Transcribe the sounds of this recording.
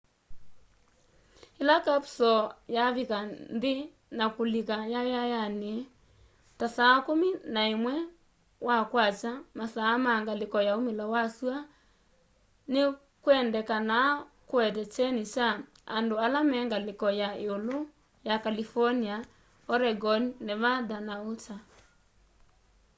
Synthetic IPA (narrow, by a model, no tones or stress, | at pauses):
elakapsɔjaβikanðe | nakolikajajajane | tasaːkominaemwɛ | wakwat͡ʃamasaːmaŋɡalekɔjaomelawasua | ne | kwɛndɛkanakoɛt̬ɛt͡ʃɛnit͡ʃa | andoalamɛːŋɡalɪkɔjaeolo | jakalifɔnia | ɔɾɛɡɔnineβaðanaot͡ʃa